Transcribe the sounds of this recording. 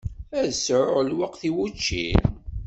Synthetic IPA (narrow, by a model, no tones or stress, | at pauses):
æðsəɾʕəlwəqθiwut͡ʃːḭn